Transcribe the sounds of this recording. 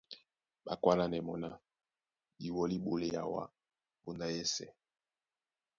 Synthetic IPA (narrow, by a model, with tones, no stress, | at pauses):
ɓa˨kwa˦la˦nɛ˨mɔ˨na˦ | i˨wɔ˨li˦ɓo˨le˦ja̰˨wa̰˦ | po˨nda˦jɛ˦sɛ̰˨